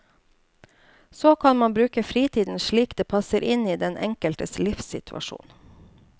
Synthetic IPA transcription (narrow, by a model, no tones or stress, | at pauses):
soːkʰɑnmɑnbɾʉːkəfɾiːt̪ʰiːd̪n̩ʃɭiːkd̪eːpʰɑsəɾʔɪniːd̪ɛnʔɛ̰ŋkəlt̪əslɪfsɪt̪ʰʉʔɑ̰ʃṵːn